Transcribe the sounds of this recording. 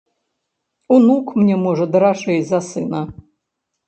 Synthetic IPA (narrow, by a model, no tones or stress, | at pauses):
unukʰmnʲemoʐɐd̪ɾaʂejzasɨna